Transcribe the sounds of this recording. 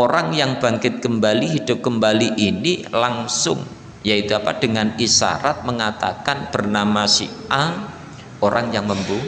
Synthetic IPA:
oɾaŋjaŋb̥a̤ŋkɪt̪̚kəmbaliɦid̥ʊp̚kəmbaliʔinilaŋsʊ̰ŋ | jait̪uapad̥əŋanisa̰ɾat̪̚məŋat̪a̰kanb̥ərnamasḭa | oɾʔaŋjaŋməmbu

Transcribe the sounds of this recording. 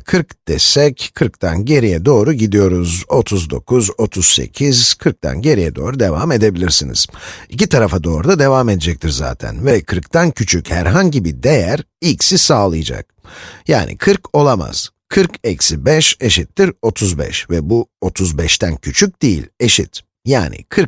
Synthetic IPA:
kʰɯɾkd̪̥ɛsɛckʰɯɾkt̪ʰanɟe̞ɾijɛd̪o̞ːɾuɟid̪ijo̞ɾuzo̞t̪ʰuzd̪o̞̰kʰuzo̞t̪ʰuz̥sḛcʰizkʰɯɾk̚t̪ʰa̰nɟe̞ɾijɛd̪o̞̰ːɾud̪e̞va̰me̞d̪e̞bilʲiɾsinḭz̥icit̪ʰaɾafad̪o̞ːɾud̪ad̪e̞vaːme̞d̪ed͡ʒɛc̚t̪ʰiɾza̰ːt̪ʰæ̰nvɛkʰɯɾkt̪ʰancʰyt͡ʃʰychæɾɦaɲɟibid̪e̞jæɾilʲcsisaːlˠɯjd͡ʒa̰k̚ja̰ːnɪ̰kʰɯɾkʰo̞lˠama̰z̥ | kʰɯɾkɛcsibɛʃe̞ʃit̪ːiɾo̞t̪ʰuzbɛ̰ʃvɛbuo̞t̪ʰuzbɛʃt̪ʰæncʰyt͡ʃʰyc̚d̪̥ijḭlʲe̞ʃḭt̪ | ja̰ːnɪ̰kʰɯɾ

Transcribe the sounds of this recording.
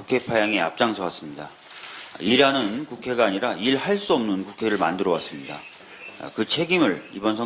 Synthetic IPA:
ukʰe̞pʰajaŋe̞a̰p̚t͡ɕ͈aŋsʰʌwas͈ɯmɲida̰ | iɾanɯnkukʰe̞ɡaːɲiɾaiɭhaɭs͈uʌmnɯnkukʰe̞ɾɯɭma̰ndɯɾʌwas͈ɯmɲida̰ | kɯt͡ɕʰe̞ɡimɯɭibʌns̬ʰʌ

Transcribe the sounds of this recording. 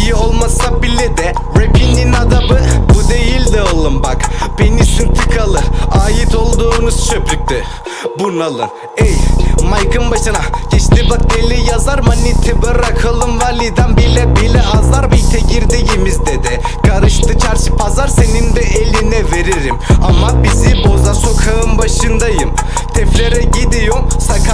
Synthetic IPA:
ijio̞lˠmasak̚bilːid̪ɛ | ɾepininad̪abɯbud̪ejilʲd̪ɛolˠɯmbakb̥enisyɾt̪ʰikʰalˠɯaːjit̪ʰo̞lˠd̪uːnuz̥t͡ʃʰøpɾyk̚ʲt̪ɪ | bunalˠɯ̰n | ɛjmajkɯmbaʃɯnaɟ̥ɛt͡ʃt̪ibak̚d̪elʲːijazaɾmanit̪ʰɛbɯɾakʰalˠɯmvaɾlʲid̪ambilɛbilʲɛʔazlˠaɾmɯit̪ʰɛɟiɾd̪ijimizd̪ed̪ɪ | kʰaɾɯʃt̪ɯt͡ʃʰæɾt͡ʃipʰazaɾse̞nind̪ɛʔelʲinɛve̞ɾiɾimamabizibo̞zaso̞kʰaɯmbaʃɯnd̪ajɯm | t̪ʰɛflʲeɾɛɟid̪ijosakʰa

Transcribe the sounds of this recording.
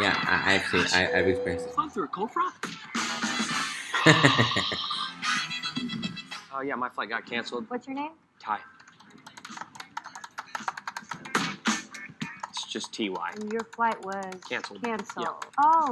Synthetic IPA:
jæ̰a̰ɪʔa̰ɪæk̚t͡ʃl̩ˠiʔa̰ɪʔaɪvɨspʰĩsfʌ̃nθuəkʰoʊfɹɑk̚ | oʊjæmaɪflaɪt̚ɡ̥ɑt̚kʰæ̃nsl̩ˠd̥̚wʌtsjə˞nẽɪ̃m | tʰaɪ | ɪtsd̥ʒ̥ʌstʰiwa̰ɪjə˞flaɪʔwʌz̥kʰæ̃nsl̩ˠkdʰæ̃nsjæo

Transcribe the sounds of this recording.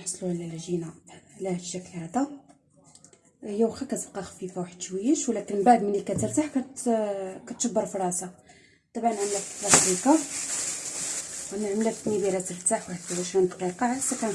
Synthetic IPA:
ħɑsˤluʕlælʒinalæhʃæklhæd̪æ | jæwxækæt̪əbqɑxæ̥fifæwaħəd̪ʃwijəʃwlækənbaʕd̪mənlikæt̪əɾt̪aħkæ | kæt̪ʃəbːəɾˤfɾˤɑsɑ | t̪ˤɑbʕɑnʕamlæfət̪læsikɑ | wnəʕmlæfnibiɾæt̪əɾt̪aħwħət̪ːæwæʃænd̪qiqɑʕsːækæn

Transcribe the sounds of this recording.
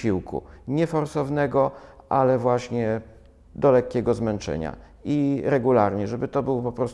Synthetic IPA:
iwkʰṵɲɛfɔɾsɔvnɛɡɔʔalɛvwaɕɲɛ | d̪ɔlɛkːʲɛɡɔzmɛnt͡ʂɛ̰ɲa̰ | iɾɛɡulaɾɲɛʐɛbɘt̪ɔbɘwɔpɔpɾɔst̪

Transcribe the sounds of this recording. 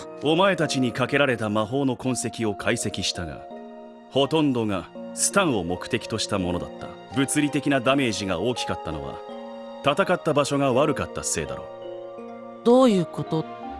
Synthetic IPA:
o̞mae̞t̪at͡ɕiɲ̟ikake̞ɾaɾe̞t̪amaɦo̞ːno̞kʰõ̞ɰ̃se̞kʲio̞kʰaise̞kʲiɕi̥t̪aŋa̰ | ho̞t̪õ̞nd̪o̞ŋasɨ̥t̪ãɰ̃o̞mo̞kɯ̟̥t̪e̞kʲi̥t̪o̞ɕi̥t̪amo̞no̞d̪a̰t̪ːa̰ | bɯ̟t͡sɨɾʲit̪e̞kʲinad̪ame̞ːʑiɡao̞ːkʲi̥kat̪ːano̞̰βa̰ | t̪at̪akat̪ːabaɕo̞ŋaβaɾɯ̟kat̪ːase̞ːd̪a̰ɾo̞̰ | d̪̥oːjɯ̟ːko̞t̪o

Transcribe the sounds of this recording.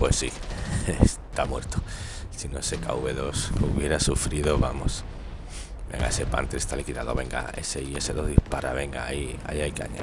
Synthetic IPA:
pwe̞sːḭest̪amweɾt̪o̥ | sinoseka̰uβeðo̞skuβje̞ɾasufɾiðoβamo̞̰s | bẽ̞̰ŋɡaesepa̰nt̪eest̪alikiðaðoβe̞ŋɡa̰e̞seieseðoðihpaɾaβe̞ŋɡaia̰jajka̰ɲa̰

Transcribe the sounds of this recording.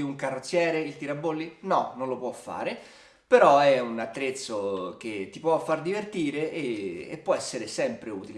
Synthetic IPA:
uŋkarːot̪sːjɛːɾeilt̪iɾabːolːinɔnõnlopwɔfːa̰ːɾe | peɾɔɛunat̪ːɾet̪sːok̟et̪ːipwɔfːard̪ivert̪iːɾeʔeːpːwɔɛsːeɾesɛmpɾeṵːt̪ile

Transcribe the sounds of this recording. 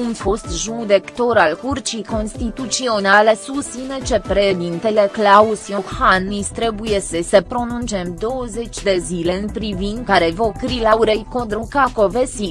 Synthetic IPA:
unfo̞st̪ʒud̪ekt̪o̞ɾalkurt͡ʃijko̞nst̪it̪ut̪sio̞nalesust̪inet͡ʃepɾeʃd̪int̪eleklausjohanːist̪ɾe̞buje̞səsəpɾo̞nunt͡ʃe̞md̪o̞wəze̞t͡ʃʲd̪e̞zile̞ɨnpɾivind̪kaɾevokɾilauɾejkod̪ɾukako̞vesi

